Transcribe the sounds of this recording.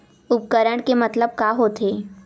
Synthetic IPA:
ʊp̚kəɾəɽ̃kemɐt̪ləb̚kaːɦot̪ʰeː

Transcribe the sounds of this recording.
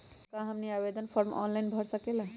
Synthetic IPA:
kãɦəmnijabed̪ənpʰɔɾmɔ̰nlajnbʱəɾsəkelə̃

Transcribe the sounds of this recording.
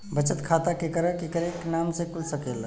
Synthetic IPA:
bət͡ʃət̪kʰat̪akekəɾəkekəɾeknamsekulsəkel

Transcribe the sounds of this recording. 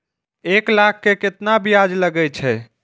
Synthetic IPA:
eklakʰːeket̪nabijad͡ʒləɡɛt͡ʃʰɛ

